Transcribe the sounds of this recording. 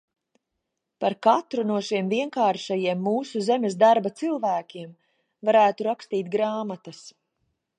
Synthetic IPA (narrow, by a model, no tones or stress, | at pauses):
paɾkat̪ɾunuɔʃiɛmviɛŋkaːɾʃajiɛmːuːsuzemʲesd̪aɾbat̪silˠvæːkʲiɛm | vaɾæːt̪uɾakst̪iːt̪̚ɡɾaːmat̪ɐs